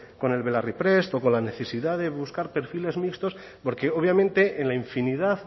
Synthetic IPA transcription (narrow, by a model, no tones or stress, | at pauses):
ko̞ne̞lβe̞laripɾe̞st̪o̞ko̞nlane̞θe̞siðaðe̞βuskaɾpeɾfile̞zmikst̪o̞s | po̞ɾke̞oβ̞jamẽnt̪e̞ʔenlaiɱfiniðað